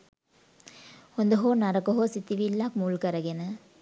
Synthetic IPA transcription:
hond̪ɐɦoːnaɾɐkɐɦosit̪ːiʋilːakmuːlkɐɾɐɡenɐ

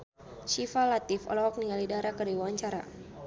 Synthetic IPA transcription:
t͡ʃifalat̪ɪfɔ̰lɔɦɔk̚niŋɡalidaɾakərdiwwaɲt͡ʃaɾa̰

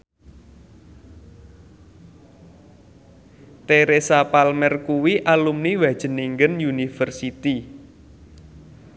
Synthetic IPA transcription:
t̪eɾesapalmɛrkuwiʔalumniwḁʒ̥ə̤niŋɡənjunifərsit̪i

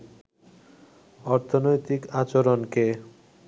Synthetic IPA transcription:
ɔɾt̪ʰonojt̪ikat͡ɕoɾonke

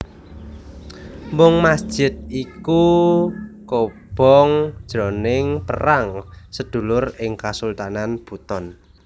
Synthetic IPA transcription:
mʊŋmasd̥ʒ̥ɪt̪̚iku | kob̥ɔŋd̥ʒ̥ɾɔnɪŋpə̰raŋsəd̪̥ṳlʊrɪŋkasult̪ananb̥ut̪ɔn

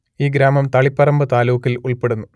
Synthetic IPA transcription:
iːɡɾaːmɐmt̪ɐɭipːɐrɐmbɐt̪aːluːkːiluɭpe̞ɽunːu

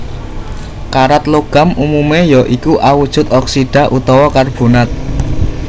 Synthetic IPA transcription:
kaɾat̪loɡ̥a̤mumumejɔʔikuʔawud̥ʒ̥ʊ̤t̪ɔksiɖ̥a̤ʔut̪ɔwɔkarb̥ṳnat̪̚

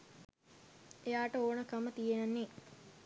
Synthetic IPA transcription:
ejaːʈəoːnəkamət̪ijenanːe

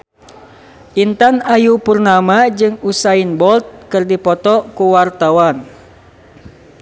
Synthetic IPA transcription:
ʔint̪anajupurnamad͡ʒɨŋusainbɔlt̪̚kɨrdipɔt̪ɔkuwart̪awan

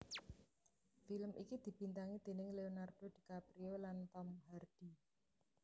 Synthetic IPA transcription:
filəmʔikid̪̥i̤b̥int̪aŋid̪̥e̤nɪŋleonard̪̥od̪̥i̤kapɾiolant̪ɔmharɖ̥i

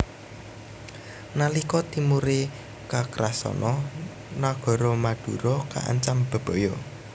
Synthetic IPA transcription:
nalikɔt̪imuɾe | kakɾasɔ̰nʔɔ | naɡ̥ɔ̤ɾɔmad̪̥uɾɔka̰ʔa̰ɲt͡ʃamb̥a̤b̥ɔ̤jɔ

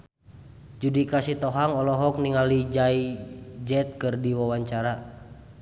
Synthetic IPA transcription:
d͡ʒudikasit̪ɔɦaŋɔlɔɦɔk̚niŋalid͡ʒaid͡ʒɛt̪̚kɨrdiwawaɲt͡ʃaɾa

